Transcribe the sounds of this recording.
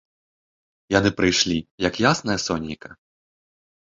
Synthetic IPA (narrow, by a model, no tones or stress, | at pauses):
janɨpɾɨjʂlʲijɐkjasnɐjɐsɔnʲijkɐ